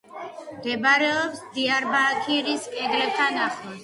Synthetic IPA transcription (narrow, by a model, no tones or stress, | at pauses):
md̪ɛbaɾɛɔpsd̪iaɾbakʰiɾiskʼɛd̪ɾɛb̚t̪ʰanaχɔs